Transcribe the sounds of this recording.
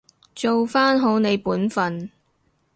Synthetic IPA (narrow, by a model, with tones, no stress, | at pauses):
t͡so˨wfaː˥nɦo˨˥wne˨˧jpuː˨˥nfɐ˨n